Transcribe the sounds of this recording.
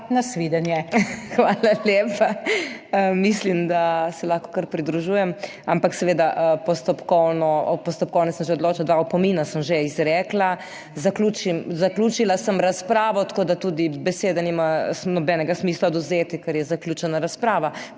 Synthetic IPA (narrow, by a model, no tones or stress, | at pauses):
nasʋid̪ɛnjɛxʋaːlaljeːpaəmislimd̪asɛlaxkɔ̥kəɾpɾid̪ɾuʒuːjɛm | ampaksɛʋeːd̪aʔpɔst̪ɔpkɔwnɔpɔst̪ɔpkɔwnɛsəmʒeɔd̪loːt͡ʃald̪ʋaɔpɔmiːnasəmʒeizɾɛːkla | zaklut͡ʃimzaklʲuːt͡ʃilasəmɾaspɾaːʋɔt̪ḁkoːd̪at̪ud̪ibɛseːd̪animanɔbɛːnɛɡasmiːslaɔd̪uzet̪ikɛɾjɛzaklʲjuːt͡ʃɛnaɾaspɾaːʋa